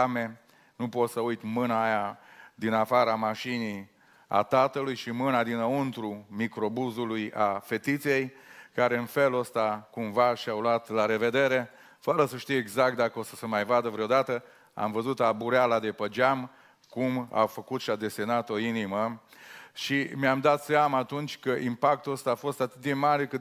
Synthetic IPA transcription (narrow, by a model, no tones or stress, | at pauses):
ame | nupo̞t̪səujt̪mɨnaːjad̪inafaɾəamaʃini | a̰t̪at̪əlujʃimɨnad̪inəunt̪ɾumikɾo̞buzuluja̰fe̞t̪it̪sije̞jkaɾe̞ɨnfe̞luəst̪akumvaʃiawlwat̪laɾe̞ve̞d̪e̞ɾe̞ | fəɾəsəʃt̪ijeɡzak̚t̪̚d̪akəosəsəmajvad̪əvɾeod̪at̪ə | a̰mvəzut̪abuɾealad̪e̞pəd͡ʒam | kuma̰wfəkut̪ʃiad̪e̞se̞nat̪o̞inimə | ʃimeamd̪at̪seamaːt̪unt͡ʃʲkəʔimpak̚t̪uəst̪aːfo̞st̪at̪ɨt̪̚d̪emaɾekɨ